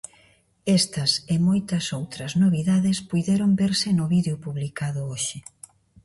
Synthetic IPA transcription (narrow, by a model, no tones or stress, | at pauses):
ɛst̪ɐsemojt̪ɐsowt̪ɾɐznoβiðaðespujðɛɾombeɾsɪnʊβiðeʊpuβlikaðʊoʃɪ